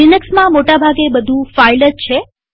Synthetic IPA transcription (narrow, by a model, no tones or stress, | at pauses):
ɪnəksmãmoʈabʱaɡebəd̪ʱũfailət̪t͡ʃʰe